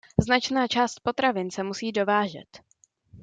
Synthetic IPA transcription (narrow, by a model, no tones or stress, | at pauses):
znat͡ʃnaːt͡ʃaːst̪̚po̞t̪ɾavɪnsɛmusiːdo̞vaːʒɛ̰t̪